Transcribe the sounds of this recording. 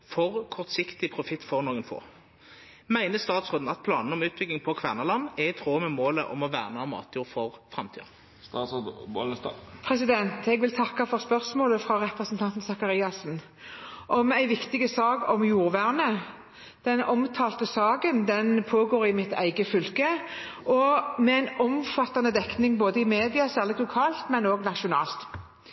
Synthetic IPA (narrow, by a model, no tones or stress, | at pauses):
fɔʁkʰɔʁt̪sɪkt̪ɪpʰʁʊfɪt̪ːfɔʁnoːɡənfo̰ː | mæɪnəst̪ɑːt̪sʁoːd̪n̩ɑt̪̚pʰlɑ̰ːnn̩ɔmʉːt̪̚bʏɡ̪ɪŋpʰɔkʰʋæːʁnəlɑnːɛt̪ʰʁoːmɛmoːlə̰ʔɔ̰mɔʋæ̰ːʁnəɑmɑ̰ːt̪ʰjuːʁfɔʁfʁɑmt̪ʰḭːɑ̰ | s | pʰɾɛsɪd̪ɛnt̪ʰɛɡʋɪlt̪ʰɑkːɑfɔʁspœʁsmoːləfɾɑʁɛpʁəsnt̪ʰɑnt̪n̩sɑkɑʁiːɑsn | ʔɔmæɪʋɪkt̪ɪɡəsɑːɡɔmjuːʁʋæʁnə | d̪̥ɛnɔmt̪ʰɑːlt̪əsɑːɡənd̪ɛnpʰoːɡoːʁɪmɪt̪ʰæ̰ɪɡəfʏlkəʔɔmɛæɪnɔmfɑt̪ːɑnəd̪ɛknɪŋboːd̪əɪmeːd̪ɪɑsæːʁlɪt̪lʊkʰɑːlt̪mɛnoːɡnɑʃʊnɑ̰ːlt̪